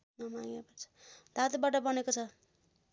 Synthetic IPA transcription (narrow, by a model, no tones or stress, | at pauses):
nʌmaŋepʌɾt͡sʰʌ̥d̪at̪baʈʌbʌnekot͡sʰʌ